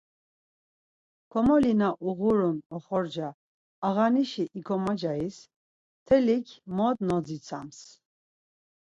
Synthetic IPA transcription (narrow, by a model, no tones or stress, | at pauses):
kʰɔmɔlinaʔuɣuɾunɔχɔɾd͡ʒaː | ɣaniʃiʔikʰɔmad͡ʒais | t̪ʰɛlikʰmɔd̪nɔd͡zit͡sʰa̰ms